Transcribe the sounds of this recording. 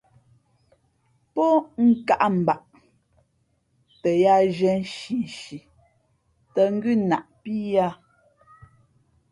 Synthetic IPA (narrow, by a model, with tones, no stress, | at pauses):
pɔ˦ŋ̩˦˨ka˦ʔm̩˨ba˨ʔ | tɛ˨ja˦ʒɛ˨˦n̩˦ʃi˨n̩˨ʃi˨ | tə˨ŋ̩˦ɡʉ˦na˨ʔpi˦ja˦